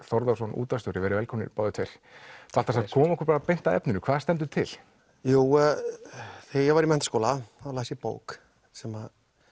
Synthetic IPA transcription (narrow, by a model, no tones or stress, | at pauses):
θɔɾðasɔnṵːt̪asowɾɪvɛɾɪvɛlkʰɔmnɪ̰pɔːðʏt̪ʰejɾ̥ | θalt̪asakʰɔːmɔhkɾpaɾapejn̥t̪aðɛ̰pnʏnʏkʰvaːðst̪ɛnt̪ʏt̪ʰɪ̰l | juː | θejɛɣvaɾimɛnt̪skoːwlaalaːsipo̰ːwk | sɛmað